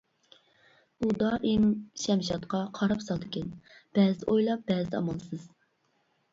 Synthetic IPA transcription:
ud̪ɑʔimʃɛmʃɑt̪qɑqʰɑɾɑpsɑlˠd̪ɪkʲɛnb̥ɛːzd̪ɛʔojlˠɑp̚b̥ɛːzɪd̪ɛɑ̰mɑlˠsɨz̥

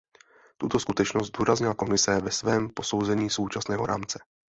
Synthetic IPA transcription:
t̪ut̪o̞skut̪ɛt͡ʃnozt̪zd̪uːɾazɲɪlako̞mɪsɛvɛsvɛːmpo̞sowzɛɲiːso̞wt͡ʃasnɛːɦoɾa̰ːmt͡sɛ̥

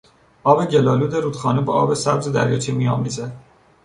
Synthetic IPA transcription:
ʔɒːbeɟelɒːluːd̪eɾuːd̪xɒːnebɒːʔɒːbesæbzed̪æ̰ɾjɒːt͡ʃʰimiɒ̰ːmized̪

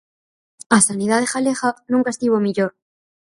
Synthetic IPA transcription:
asaniðaðexalexanũŋkaest̪iβomiʎoɾ

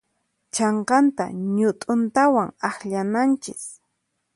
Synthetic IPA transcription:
t͡ʃɑɴqɑnt̪a̰ɲʊt̪ʼʊnt̪awaŋaχʎanant͡ʃɪs

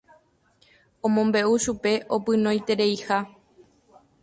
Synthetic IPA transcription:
õ̞mõ̞mbe̞uʃupe̞ʔopɨ̃nõ̞jt̪e̞ɾejha

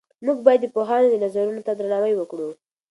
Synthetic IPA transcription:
muɡbɑjad̪ːəpoɦɑnod̪ənazaɾunot̪ad̪ɾanɑwajwəkɽu

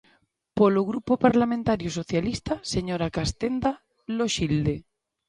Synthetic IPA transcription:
poloɣɾupopaɾlamẽnt̪aɾjoso̞θjalist̪ase̞ɲoɾakast̪end̪a | loʃild̪e

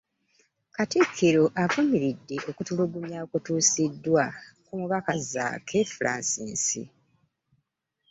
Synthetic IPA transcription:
katikʰːiɾo̞ʔavumiɾidːe̞ʔo̞kutuluɡumjaːkutuːsidːwakumuβakaza̰kʰefulʔa̰ːnsḭːnsḭ

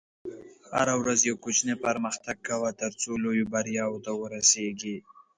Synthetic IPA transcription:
ha̰ɾawɾazjawkot͡ʃnepaɾməxt̪aɡ̚kawat̪əɾt͡solojobaɾjɑwot̪awəɾaseɡi

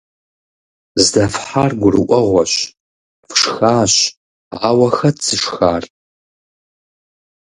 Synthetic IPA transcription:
zdɐfħarɡʷʊrɨ̰ʔʷɔʁʷɔɕ | fʂxaːɕ | awɐxɐdsɨʂxaːr

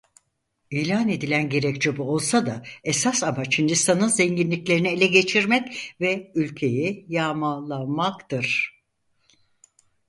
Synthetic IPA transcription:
iːlʲaːne̞d̪ilʲænɟe̞ɾɛct͡ʃebuo̞lˠsad̪aesasamat͡ʃhind̪ist̪ʰanɯnzɛɲɟinlʲiclʲe̞ɾinielʲɛɟe̞t͡ʃʰiɾmɛcvɛylʲcʰe̞jɛjaːmalˠːamakt̪ɯɾ̥

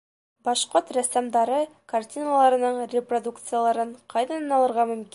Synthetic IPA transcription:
bɑʃqoɾt̪ræsæmd̪ɑɾɤkartʲinalˠɑɾɤ̆nɤɴrʲɪprod̪ukt̪sɨjalˠɑɾɤɴqʰɑjðɑnɤnɑlˠɤ̆ɾʁɑmɵ̆mkʲi

